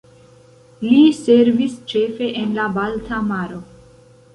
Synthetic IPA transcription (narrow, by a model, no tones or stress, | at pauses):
lise̞ɾvist͡ʃe̞ːfe̞ʔenlabaltʰamaɾo